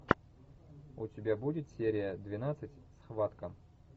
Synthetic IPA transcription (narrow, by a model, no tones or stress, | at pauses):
ʊtʲɪbʲabudʲɪt̪sʲeɾʲɪjəd̪vʲɪnat̪sɨtʲsxvat̪kə